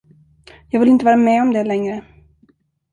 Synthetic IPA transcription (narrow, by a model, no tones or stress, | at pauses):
jɑːɡvɪlɪnt̪əvɑːɾamɛɔmd̪ɛlɛŋɾə